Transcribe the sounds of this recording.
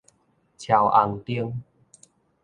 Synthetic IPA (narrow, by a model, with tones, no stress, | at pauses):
t͡ɕʰja˨˩wʔa˧˩ŋt̪i˧əŋ